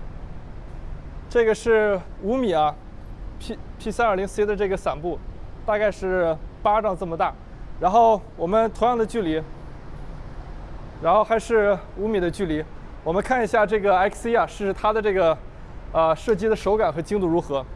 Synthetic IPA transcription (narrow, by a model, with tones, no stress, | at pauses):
ʈ͡ʂɤ˥˩ɡə˩ʂɻ̩˥˩u˧˥mi˨˩ɐ˦ | pʰpʰi˥˩sa˥nə˞˥˩li˧˥ŋsɹ̩˥i˥d̪ə˧ʈ͡ʂɤ˥˩ɡə˩sa˨˩npu˥˩t̪a˥˧ka˥˧ɪʂɻ̩˥˩pa˥ʈ͡ʂɑ˥˧ŋʈ͡ʂɤ˥˩mə˩t̪a˥˩ | ɻa˧˥nxo˥˩ʊwɔ˨˩mə˦nt̪ʰʊ˧˥ŋjɑ˥˩ŋd̪ə˩t͡ɕy˥˩li˧˥ | ɻa˧˥nxo˥˩ʊxa˧˥ɪʂɻ̩˥˩ | u˧˥mi˨˩d̪ə˦t͡ɕy˥˩li˧˥ | wɔ˨˩mə˦nkʰa˥˩ni˧˥ɕja˥˧ʈ͡ʂɤ˥˩ɡə˩a˧˥ɪkʰsi˥ɐ˧ʂɻ̩˥˧ʂɻ̩˥˧t̪ʰa˥d̪ə˨ʈ͡ʂɤ˥˩ɡə˩ | ə˧ʂɤ˥˩t͡ɕi˥˩d̪ə˨ʂo˧˥ʊka˨˩nxɤ˧˥t͡ɕi˥ŋt̪u˥˩ɻu˧˥xɤ˧˥